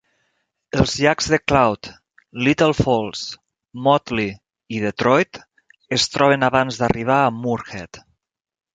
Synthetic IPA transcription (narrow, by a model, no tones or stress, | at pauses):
əlˠzʎakz̥ðəklawt̪ | lit̪əlˠfɔlˠs | mɔt̪li | iðət̪ɾɔjt̪ | əst̪ɾɔβ̞ənaβanzðəriβ̞aəmuɾxɛt̪